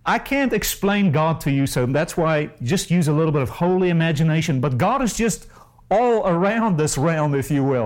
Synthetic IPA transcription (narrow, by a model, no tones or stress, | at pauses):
aɪkʰæ̃ntɨksplẽɪ̃nɡɑd̚tʰɨjɨsoʊðætswaɪd͡ʒʌst̚jʉzəlɪɾl̩ˠbɪɾʌv̥hoʊlˠiɨmæd͡ʒɨneɪʃɨ̃nbʌt̚ɡ̥ɑɾɨzd͡ʒʌst | ɔlˠə˞ãʊ̃nðɪsɹɛlˠmɨfjɨwɪlˠ